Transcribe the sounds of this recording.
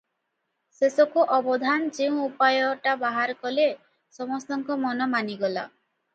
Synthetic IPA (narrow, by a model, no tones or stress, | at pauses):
sesɔkuʔɔbɔd̪ʱand͡ʒeũupajɔʈabaɦaɾkɔle | sɔmɔst̪ɔŋkɔmɔnɔmaniɡɔla̰